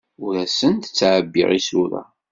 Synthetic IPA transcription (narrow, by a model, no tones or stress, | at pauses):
ʊɾæsənt̪ə̥t͡sːʕəbːḭʁisuɾa̰